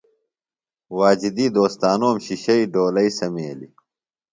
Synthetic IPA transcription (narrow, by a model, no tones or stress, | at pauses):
waːd͡ʑid̪iːd̪oːst̪aːnoːmɕiɕɐiɖoːlɐisɐmeːlḭ